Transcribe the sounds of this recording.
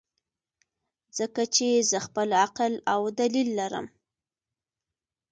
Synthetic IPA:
z̥əkat͡ʃezəxpəlaqlawd̪alilːaɾə̰m

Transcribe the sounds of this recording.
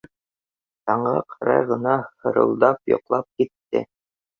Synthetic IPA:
t̪ɑɴʁɑ̰qʰɑ̥ɾɑ̰jʁɤ̆nɑhɤ̆ɾɤ̰̆lˠd̪ɑpjŏ̰qlˠɑp̚kit̪ːɘ̰

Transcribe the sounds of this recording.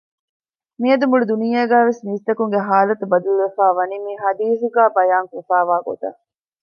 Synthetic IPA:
miɐd̪umuɭud̪unijeːɡæːʋesmiːst̪ɐkuŋɡeɦaːlɐt̪ubɐd̪uluʋefaːʋɐnimiɦɐd̪iːsuɡæːbɐjaːŋkufaːʋaːɡo̰t̪ɐ̰

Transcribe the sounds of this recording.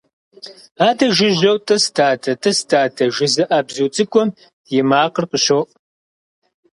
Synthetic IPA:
aːdɐʒɪʑɐwtʼɐstʰaːtʰɐtʼɐstʰaːtʰɐʒɪzɨʔaːbzuwt͡sʼɨkʷʼɔm | jɪmaːqərqəɕowʔ

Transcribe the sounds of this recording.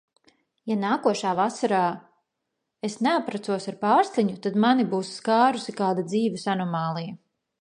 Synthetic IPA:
janaːkuɔʃaːvasaɾaː | esneapɾat̪suɔsaɾpaːɾsliɲut̪ad̪manibuːsːkaːɾusikaːd̪ad̪ziːvɪsanɔmaːlˠija

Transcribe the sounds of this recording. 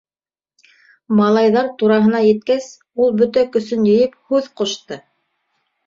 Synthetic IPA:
mɑlˠɑjðɑɾt̪uɾɑɦɤ̆nɑjɘ̆t̪̚kæs | ulˠbɵt̪ækɵ̆sɵnjɘ̆jɘp̚hʉðqŏʃt̪ɤ

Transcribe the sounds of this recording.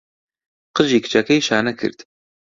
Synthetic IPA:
qɨʒiːkʰɨ̥t͡ʃʰɛkʰɛjʃaːnɛkʰɨ̰ɾd̪

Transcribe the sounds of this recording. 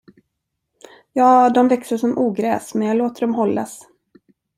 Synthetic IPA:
jɑːd̪ɔmvɛksəʂɔmʔuːɡɾɛ̰ːsmɛnjɑɡloːt̪əɖɔmɦɔlːa̰s

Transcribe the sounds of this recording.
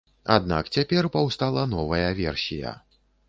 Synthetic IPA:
a̰d̪na̰kt͡sʲapʲɛrpawst̪alˠɐnɔvɐjɐvʲɛrsʲijɐ̰

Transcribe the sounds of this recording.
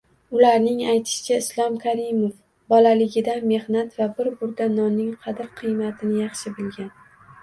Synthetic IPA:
ʊlaɾnɪŋajt̪ʰɪ̥ʃt͡ʃʰaɪslˠɒmkʰaɾɪmof | bɒlalɪɡʲɪd̪anme̞hnat̪vabɪɾbʊɾd̪anɒnːɪŋqʰɑd̪ɪɾqʰɨjmat̪ʰɪnɪjɑχʃɪbɪlɡʲan

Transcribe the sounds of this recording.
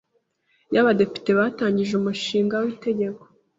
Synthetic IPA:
jaβade̞pi̥te̞βataːɲɟiʒeumuʃiːŋɡawite̞ɟe̞ko̥

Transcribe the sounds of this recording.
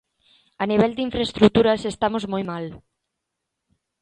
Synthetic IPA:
aniβɛld̪iɱfɾaest̪ɾut̪uɾɐsest̪amozmojmal

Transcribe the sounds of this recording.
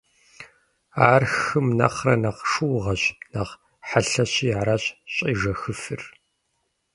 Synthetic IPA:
aːrxɨmnɐ̰χrɐnɐqʂɨwʁɐɕnɐʁ | ħaɬɐɕiːɾaɕʼɕʼiːʐɐxɨfɨr

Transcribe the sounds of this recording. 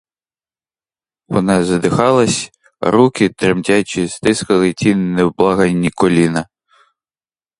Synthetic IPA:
wɔ̰nɑzɐd̪ɪxɑlˠɐsʲ | ɾukɪt̪ɾemtʲat͡ʃʲist̪ɪskɐlˠɪtʲinnɛwblˠɑɦɐnʲːikɔlʲinɐ

